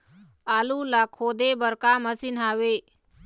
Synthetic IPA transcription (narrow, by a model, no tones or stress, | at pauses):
aːlulakʰoːd̪ebəɾkaməsinɦaːweː